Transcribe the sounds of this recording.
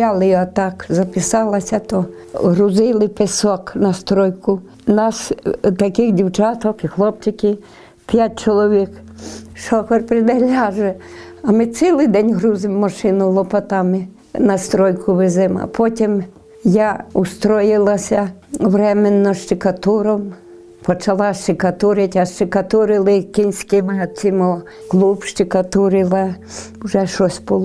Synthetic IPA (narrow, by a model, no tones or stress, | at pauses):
ɑlˠɪɐt̪ɑkzɐpɪsɑlˠɐsʲɐt̪ɔ | ɦɾʊzɪlˠɪpesɔknɐst̪ɾɔjkʊ | nɑst̪ɐkɪxdʲiwt͡ʃɑt̪ɔkɪxlˠɔp̚t͡ʃɪkɪ | pʲjat̚ʲt͡ʃɔlˠɔʋʲik | ʃɔkɔrpɾɪd̪ɐlʲaʒɛɐmɪt̪silˠɪjd̪ɛnʲɦɾuzɪmːɐʃɪnʊlˠɔpɐt̪ɑmɪ | nɐst̪ɾɔjkʰʊʋɪzɪmɐ̰pʰɔtʲim | jaʊst̪ɾɔjɪlˠɐsʲɐʋɾɛmenːɔʃt͡ʃɪkɐt̪uɾɔm | pɔt͡ʃɐlˠɑʃt͡ʃɪkɐt̪uɾɪtʲɐʃt͡ʃɪkɐt̪ʊɾɪlˠɪkinʲsʲkɪmɪɔt͡sʲimɔ | klˠupʃt͡ʃɪkɐt̪uɾɪlˠɐ | ʊʒɛʃɔsʲbʊlˠɔ